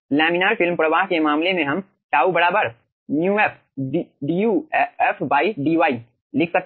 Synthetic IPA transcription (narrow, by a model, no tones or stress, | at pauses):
lɛːminaːɾfɪlmpɾɐʋaːɦkemaːmlemẽɦɐm | ʈaːubɐɾaːbəɾ | njũːɛːpʰ | ɖiuːɛːfʰbaːiɖiːʋaːi | lɪkʰsɐk̚